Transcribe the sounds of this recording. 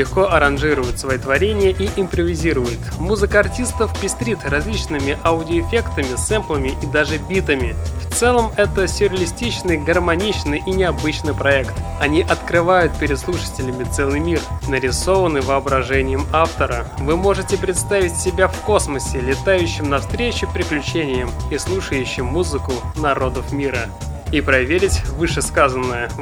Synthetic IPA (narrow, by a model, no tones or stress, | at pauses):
lʲɪxko̞ʔɐɾɐnʐɨɾʊjʊt̪svɐit̪vɐɾʲenʲɪjəʔiʔɪmpɾəvʲɪzʲiɾʊjʊt̪muzɨkəɐrtʲist̪əfpʲɪsʲt̪ɾʲit̪rɐzʲlʲit͡ɕnɨmʲɪʔɐʊdʲɪoɪfʲekt̪əmʲɪsɛmplˠəmʲɪʔid̪aʐɨbʲit̪əmʲɪft̪sɛlˠəmɛt̪əsʲʊɾʲɪəlʲɪsʲtʲit͡ɕnɨjɡərmɐnʲit͡ɕnɨjʔinʲɪɐbɨt͡ɕnɨjpɾɐɛkt̪ɐnʲiʔɐt̪kɾɨvajʊt̪̚pʲɪɾʲɪd̪slˠuʂə̥tʲɪlʲɪmʲɪt̪sɛlˠɨjmʲirnəɾʲɪso̞vənːɨjvəɐbɾɐʐɛnʲɪjəmaft̪əɾəvɨmo̞ʐɨtʲɪpɾʲɪt̪st̪avʲɪtʲsʲɪbʲafko̞sməsʲɪlʲɪt̪ajʉɕːɪmnɐfst̪ɾʲet͡ɕʊpʲɾʲɪklʲʉt͡ɕenʲɪjɪmislˠuʂəjʉɕːɪmːuzɨkʊnɐɾo̞d̪əfmʲiɾə | ipɾɐvʲeɾʲɪtʲvɨʂɨskazənːəjə